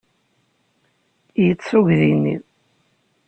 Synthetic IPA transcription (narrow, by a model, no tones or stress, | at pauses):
jət͡sːuʝðinːḭð